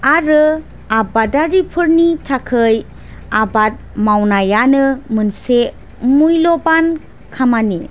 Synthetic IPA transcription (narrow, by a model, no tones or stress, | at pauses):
aɾɯ | abadaɾipʰɯɾnitʰakʰɯj | abat̚mawnajanɯmɯnse | mujlɔban | kʰamani